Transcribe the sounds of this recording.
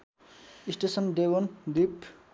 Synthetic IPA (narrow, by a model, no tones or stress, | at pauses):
isʈesənɖ̪eʋond̪ip